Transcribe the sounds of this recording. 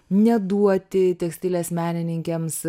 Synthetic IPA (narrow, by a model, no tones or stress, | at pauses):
nʲɛd̪uɔt̪ʲɪt̪ʲɛksʲt̪ʲɪlʲeːsmʲæːnʲɪnʲɪŋʲkʲɛms